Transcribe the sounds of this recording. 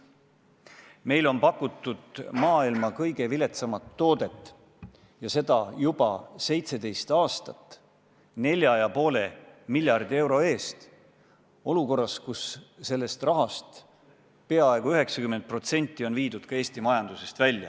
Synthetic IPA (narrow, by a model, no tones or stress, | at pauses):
me̞jlo̞npɑkːˑut̪ːˑud̪̥mɑːilmɑkɤjɡ̥e̞vile̞t̪sɑmɑt̪ːo̞ːd̪e̞t̪ːˑ | jɑse̞d̪̥ɑjub̥ɑ̰se̞jt̪se̞d̪e̞jst̪ɑːst̪ɑt̪ː | ne̞lʲjɑjɑpo̞ːle̞milʲjɑrd̪̥ie̞wɾo̞e̞ːst̪ | o̞luko̞rːɑskusse̞lːe̞st̪rɑɦɑst̪ | pe̞ɑe̞ɡuyɦe̞ksɑkyment̪̚pro̞t̪se̞nʲt̪ːˑio̞nviːd̪ud̪̥kɑe̞ːsʲt̪imɑjɑnd̪̥use̞st̪vælʲːjɑ̰